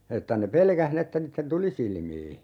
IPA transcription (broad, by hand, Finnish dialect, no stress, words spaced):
etːæ ne pelkæh ni etːæ niːtːen tuli silmiː